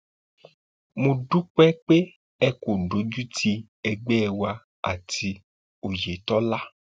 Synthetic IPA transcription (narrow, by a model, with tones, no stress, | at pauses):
mũ˧ɖu˦k͡pɛ˦k͡pe˦ | ɛ˦ko˨ɖo˨˦d͡ʒu˦ti˧ | ɛ˧ɡ͡bɛ˦ɛ˧wa˧ | a̰˨ti˧ | o˨je˨t̪ɔ˦la˦